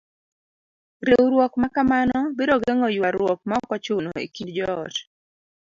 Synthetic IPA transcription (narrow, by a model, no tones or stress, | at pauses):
ɾewɾwɔkmakamanɔbeɾɔɡeŋɔjwaɾwɔk̚mɔkɔt͡ʃʊnoḛkindd͡ʒɔɔt